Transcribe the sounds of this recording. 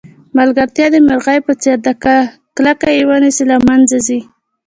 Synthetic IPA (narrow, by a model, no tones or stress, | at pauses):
malɡaɾt̪jɑd̪əmɪɾɣajpət͡seɾd̪aa | klakajewənisilamanzazi